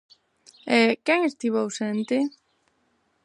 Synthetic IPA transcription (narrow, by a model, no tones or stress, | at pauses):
ɛkɛŋest̪iβowsent̪ɪ